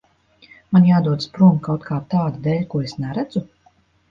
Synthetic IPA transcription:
manjaːd̪uɔd̪spɾuːmkawt̪̚kʰaːt̪aːd̪d̪ɛːʎʲkuɔesnɛɾæd̪zu

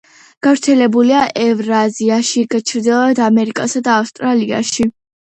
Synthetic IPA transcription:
ɡ̥avɾt̪sʰɛlɛbuliaʔɛvɾaziaʃiɡat͡ʃʰɾd̪ɛlˠad̪amɛɾikʼasad̪aːfst̪ʼɾalia̰ʃi

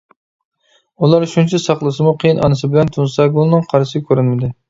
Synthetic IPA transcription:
ulˠɑɾʃunt͡ʃʰɛsɑχlˠɨsɨmuqʰejinʔɑ̰nɨsɨbɪlɛnt̪ʰunsɑɡolˠnɨŋqʰɑɾsɪkʲʰøɾɪnmɪd̪ɪ

